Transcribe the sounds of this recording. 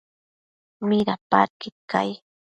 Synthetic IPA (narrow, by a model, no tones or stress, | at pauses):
mɪɾapa̰ɾkɪt̪ka̰j